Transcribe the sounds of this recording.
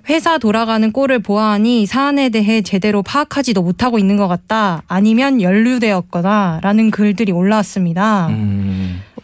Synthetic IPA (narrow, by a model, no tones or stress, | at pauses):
ɸwe̞sʰatoɾaɡanɯnk͈oɾɯɭpoaɦaɲisʰaːne̞de̞ɦe̞t͡ɕe̞de̞ɾopʰaːkʰad͡ʑidomotʰaɡoinːɯnɡʌk͈at̚t͈aːɲimjʌnjʌʎːudwe̞ʌt̚k͈ʌnaɾanɯnkɯɭdɯɾioɭːas͈ɯmɲida